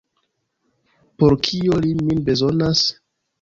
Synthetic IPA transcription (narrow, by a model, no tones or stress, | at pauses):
po̞ɾkʰioliminbe̞zo̞nas